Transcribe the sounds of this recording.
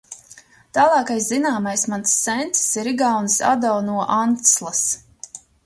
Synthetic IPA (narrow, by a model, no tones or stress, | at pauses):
t̪aːlˠɑːkajszinaːmajsmansːɛnt̪ssiɾiɡawnsa̰d̪awnuɔʔant̪slˠas